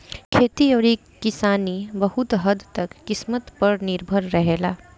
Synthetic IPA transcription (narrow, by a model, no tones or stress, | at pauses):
kʰeːt̪iɔːɾekkːɪsaːnibəhʊt̪ɦəd̪t̪ɐkːɪsmət̪pəɾnɪɾbʱəɾːəɦeːlaː